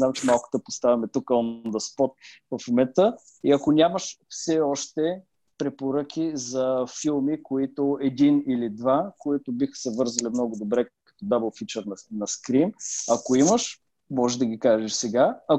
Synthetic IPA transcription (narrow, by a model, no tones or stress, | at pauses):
namt͡ʃɛmalˠkʊ̥t̪əpost̪avʲɐmɛt̪ukəɔnd̪əspɔt̪̚vɐfmɛt̪ə | iɐkonʲaməʃfsɛɔʃt̪ɛ | pɾɛpoɾəkʰʲizɐfilˠmikoit̪oɛd̪inilid̪vakoit̪ʊbixə̥sɛvɤɾzɐlimnɔɡʊd̪obɾɛkɐ̥t̪ɔd̪abəlˠfit͡ʃɛɾnnɐskɾimɐkoiməʃ | mɔʒɛʒd̪əɡʲikaʒɛʃsɛɡaɐ